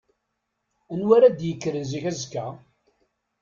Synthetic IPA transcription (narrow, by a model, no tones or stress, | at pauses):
ənwaɾæd̪jəkːɾənziçæzkːæ